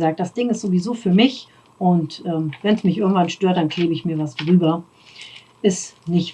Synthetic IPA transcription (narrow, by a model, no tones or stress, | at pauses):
zaːk̚t̚d̥asd̥ɪŋɪstz̥ovizoːfyːɐmɪç | ʔʊntʔɛːmvɛnsmɪçʔɪɐɡŋ̩tv̥anʃtøːɐtd̥ankʰl̥eːbəɪçmiːɐvasdʁyːbɐ | ʔɪstnɪç